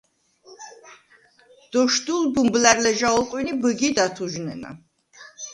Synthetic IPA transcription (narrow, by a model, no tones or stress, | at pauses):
d̪̥ɔʃd̪ulbumblæɾlɛʒaɔlˠqʼwinibəɡid̪at̪ʰuʒnɛ̰na̰